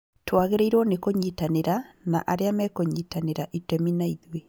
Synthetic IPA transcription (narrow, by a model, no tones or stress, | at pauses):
twaːɣeɾeiɾwɔnekoɲitaneɾana̰ʔaɾeamɛkoɲiːtaneɾaʔitɛminaiðwe